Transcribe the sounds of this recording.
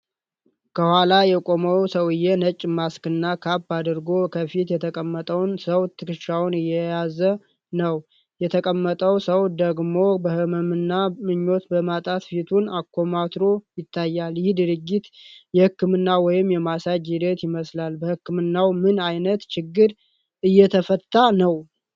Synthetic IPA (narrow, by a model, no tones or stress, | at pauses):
kʰəhʷwalajɛkʼo̞məwsəwɨjːɛnət͡ʃʼːmaskɨnːakʰabad̪ɨɾɡo̞kʰəfit̪jɛt̪ʰəkʼəmːət̪ʼəwnsəwt̪ʰɨkɨʃawnɨjːɛjazə | nəw | jɛt̪ʰəkʼəmːət̪ʼəwsəwd̪əɡmo̞bəhɨməmɨnːamɨɲːo̞t̪bəmat̪ʼat̪fit̪ʰunakʰːo̞mat̪ɾo̞jɪt̪ʰːajːaljɪhd̪ɨɾɨɡːit̪jɛhɨkːɨmɨnːawɔjɪmjɛmasad͡ʒid̪ət̪jɪməslalbəhɨkːɨmɨnːawmɨnajnət̪t͡ʃɪɡːɨɾ | ʔɨjːɛt̪ʰəfət̪ːanəw